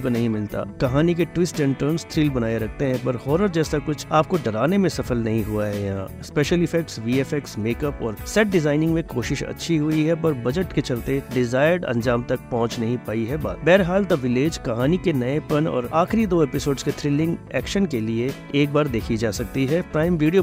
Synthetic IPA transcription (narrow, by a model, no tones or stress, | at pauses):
konɐɦĩmɪlt̪a̰ːkɐɦaːnik̬eʈwɪsʈɛ̃ɳʈəːɾnst̪ʰɾiːlbɐnaːjeɾɐk̚ʰt̪eɦɛ̃pɐɾhɔːɾəɾd͡ʒɛːsakʊt͡ʃʰaːp̚koɖɐɾaːnemẽsɐfəlnɐɦĩɦuaɦɛjɐɦã̰speːʃəlɪfɛk̚ʈsʋiːefɛk̚ʈsmeːkɐpɔːɾsɛːʈ̚ɖɪzaːɪnɪ̃ŋɡmẽkoːʃɪʃɐ̰tːʃʰiɦʊiɦɛpɐɾbɐd͡ʒəʈket͡ʃɐlt̪eɖɪzaːɪəɾɖɐ̰̃nd͡ʒaːmt̪ɐk̚pɐɦʊ̃t͡ʃnɐɦĩpaːiɦɛbaːbɛːɾɦaːlt̪oʋɪleːd͡ʒkɐɦaːnikenɐepɐnɔ̰ːɾaːxɪɾid̪oːepɪsoːɖsket̪ʰɾɪːlɪ̃ŋɡɛ̰ːkʃənkelieː | k̚baːɾd̪eːkʰid͡ʒaːsɐk̚t̪iɦɛpɾaːɪmʋiːɖijo